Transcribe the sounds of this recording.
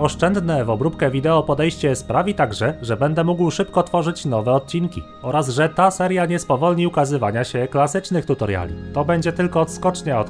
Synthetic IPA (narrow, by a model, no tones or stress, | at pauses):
ɔʂt͡ʂɛnd̪nɛvɔbɾupkɛvʲid̪ɛɔpɔd̪ɛjɕt͡ɕɛspɾavʲit̪aɡʐɛʐɛbɛnd̪ɛmuɡwʂɘpkɔt̪fɔʐɘt͡ɕn̪ɔvɛɔt̪̚t͡ɕinkʲḭ | ɔɾazʐɛt̪asɛɾjaɲɛspɔvɔlɲiukazɘvaɲaɕɛklasɘt͡ʂnɘxt̪ut̪ɔɾja̰lʲḭt̪ɔbɛɲd͡ʑɛt̪ɘlkɔːt̪skɔt͡ʂɲaɔt̪